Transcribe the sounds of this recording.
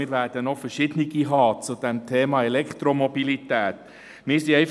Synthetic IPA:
ɪːɾʋæːɾd̥ənɔfəɾʃɪd̥̪əniɡ̥iɦɑːt͡sud̥̪ɛmt̪ʰeːmɑːɛlɛkt̪ɾomɔbilit̪æːt | mɪɾsiɛɪf

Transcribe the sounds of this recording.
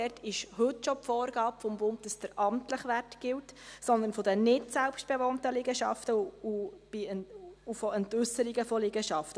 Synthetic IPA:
ɛtʰɪʃhɵtʃɔpfɔːɾɡ̥ɑːpfɔmbʊnt̚dəsd̥əɾɑmt̪ləχʋærtɡ̥ɪltsɔnd̪ənfɔdənɪtsælpʃt̚b̥ɛʋɔntəlɪɡəʃɑ̰ftəub̥ɪufɔɛntʉsəɾiɡəfɔlɪɡ̥əʃɑftə

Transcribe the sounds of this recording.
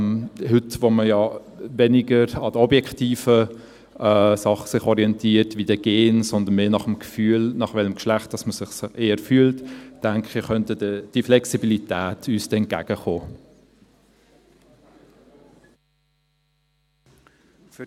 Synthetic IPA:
hʏtvoməjɑ | vɛniɡəɾɑdəɔbjɛktiːfə | ɛsɑχə̥sɪχɔɾiɛntʰiːəɾtvid̥əɡeːnsɔnd̪ənmeːnɑχəmɡ̥fyːlnɑχʋɛləmkʃlæχt̚d̥ɑsməsɪχsʔeːəɾfyːəltd̥æŋkχiχœntədəd̥iflɛksibilitæːtʰyːstɛnt̚ɡ̥æ̰ɡ̥əχoː

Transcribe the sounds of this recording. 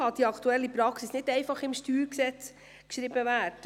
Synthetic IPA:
ɑd̥iɑkʰt̪uɛlːipɾɑksisnɪtɛɪfɑχɪmʃtyːɾksɛt͡s | kʃɾibəvæːt

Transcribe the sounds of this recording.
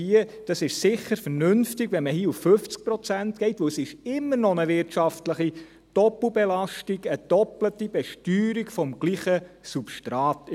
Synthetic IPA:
iəd̥ɑsɪʃsɪχəɾfəɾnʉnftiɡ̥ʋɛnməhiːəufføft͡sk̚pɾɔt͡sæntɡ̥ɛɪtʋɵwsɪʃɪmːəɾnɔnəʋɪɾtʃɑftləχi | d̥ɔpl̩bɛlɑʃtiɡəd̥ɔplətib̥ɛʃtyːɾiɡfɔmɡ̥liːχəsupʃtɾɑːt̪

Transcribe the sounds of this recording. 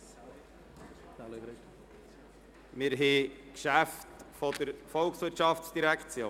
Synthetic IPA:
l | mɪɾɦekʃæftfɔd̪əɾfɔlksʋɪɾtʃɑftsd̥iɾækʰt͡sjoː

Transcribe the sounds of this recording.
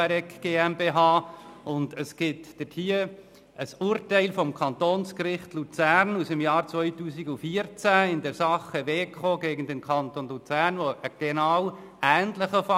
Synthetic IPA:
ɛɾɛkɡ̥eːɛmbeɦɑːʊndəsɡ̥ɪtd̥əthiːə | ʔəsʊːɾtæɪlfɔmkʰχɑnt̪oːnskɾɪχtlut͡sæɾnusəmjɑːɾt͡sʋœʏtuːsɪɡʊfiəɾt͡sæɪndɛɾsɑχəʋeːkχoːɡeːɡən̩d̪ɛnkʰχɑnt̪onlut͡sæːɾnʋoʔəɡ̥ɛnɑːw | æːntləχəfɑ

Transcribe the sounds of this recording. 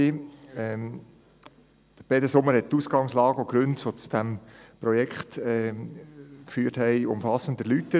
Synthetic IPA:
iɛ | b̥ɛd̪əsʊmːəɾhɛt̚tːuːsɡ̥ɑŋslɑːɡəoɡ̥ɾɵntʋot͡su̥d̥æmpɾɔjɛkχt̪ɛ | kfyːɾthɛɪʊ̰mfɑsən̩d̪əlytːə

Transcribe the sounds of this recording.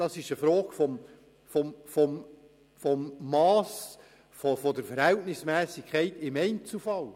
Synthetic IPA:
d̥ɑsɪʃəfɾoːɡ̥fɔm | fɔmfɔm | fɔmːɑːs | fɔfɔd̪əɾfəɾhɛltnɪsmɛːsɪkʰχɛɪt̪ɪmɛɪnt͡sl̩fɑl

